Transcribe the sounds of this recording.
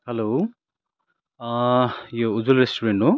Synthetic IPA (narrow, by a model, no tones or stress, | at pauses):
helow | joud͡zulɾesʈuɾeɳʈɦo